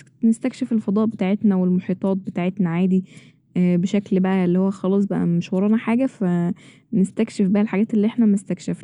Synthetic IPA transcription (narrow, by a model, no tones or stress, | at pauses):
nest̪ækʃefelfɑd̪ˤɑːʔbet̪aːʕet̪næwelmoħiːt̪ˤɑːt̪̚bet̪aːʕet̪næʕaːd̪i | beʃæklbæʔæelːiːhowːæxɑlɑːsˤbæʔæ̰meʃwɑɾˤɑːnɑħaːɡæfæ | nest̪ækʃefbæhælħaɡæːt̪elːiːʔeħnæmest̪ækʃefnæ